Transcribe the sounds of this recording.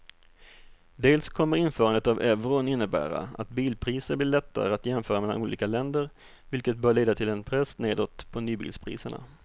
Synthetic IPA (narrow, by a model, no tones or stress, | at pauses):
d̪eːlskʰɔmːəɾɪnfœːɾand̪ət̪avɛvɾʊnɪnːəbæ̰ːɾa̰a̰t̪̚biːlpʰɾiːsəɾblɪːɭɛt̪ːa̰ɾəat̪jɛmfœːɾamɛla̰ʔuːlḭːkalɛnd̪əɾ | vɪlkət̪̚bœːɭeːd̪at̪ʰɪlɛnpʰɾɛsneːd̪ɔt̪pʰɔnyːbḭːlspʰɾḭːsəɳa̰